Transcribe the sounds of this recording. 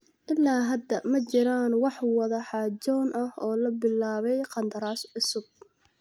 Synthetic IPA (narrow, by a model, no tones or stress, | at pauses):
ʔɪlːaːɦɐd̪ɐmɐt͡ʃɪɾaːnwɑħwɑðɐħɑd͡ʒɔːnʔɐhɔːlɐbɪlaːβɛjqɑnd̪ɐɾaːsʕʊsʊb̚